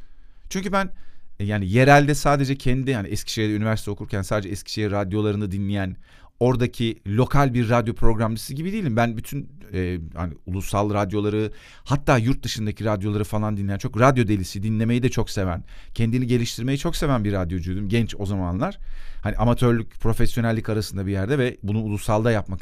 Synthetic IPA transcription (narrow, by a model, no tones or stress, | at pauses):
t͡ʃʰyɲcybænjaːnije̞ɾælʲd̪ɛsaːd̪e̞d͡ʒɛcʰɛnd̪id̪ihaniɛscʰi̥ʃejd̪ɛynyvʲæɾsit̪ʰɛo̞kʰuɾcʰænsaːd̪ed͡ʒɛɛscʰi̥ʃejiɾad̪jo̞lˠaɾɯnad̪inlʲijæn | o̞ɾd̪acʰilʲo̞kʰalʲbiɾːad̪jo̞pʰɾo̞ɡɾamlisiɟibid̪ijilʲimbænbyt̪ʰynɛːha̰nḭulˠusːalˠɾad̪jo̞lˠaɾɯ | hat̪ʰːaːjuɾt̪̚d̪ɯʃɯnd̪acʰiɾad̪jolˠaɾɯfalˠand̪inlʲejænt͡ʃʰo̞kɾad̪jo̞d̪e̞lʲisid̪inlʲe̞me̞jid̪ɛt͡ʃʰo̞kse̞væn | cʰɛnd̪iniɟe̞lʲiʃt̪ʰiɾme̞jit͡ʃʰo̞kse̞vænbiɾːad̪jo̞d͡ʒyjd̪ymɟɛnt͡ʃo̞zamanlˠaɾ̥haniʔamat̪ʰø̞ɾlʲycpʰɾo̞fɛsjonælʲːikaɾasɯnd̪abijæɾd̪ɛvɛbunuulˠusːalˠd̪ajapmak